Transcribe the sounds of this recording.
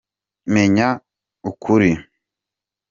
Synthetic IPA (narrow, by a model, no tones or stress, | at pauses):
meɲa | ukʰuɾi